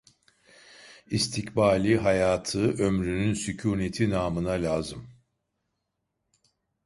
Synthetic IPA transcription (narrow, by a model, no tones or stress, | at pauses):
ist̪ʰicbaːlʲiɦajaːt̪ʰɯʔømɾynynsicʰuːnet̪ʰinaːmɯnalʲaːzɯm